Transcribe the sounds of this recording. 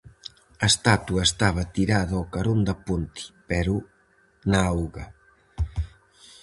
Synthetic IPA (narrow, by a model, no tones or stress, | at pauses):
ɐest̪at̪uɐest̪aβɐt̪iɾaðɐokaɾond̪ɐpunt̪i̥pɛɾu | naawɣɐ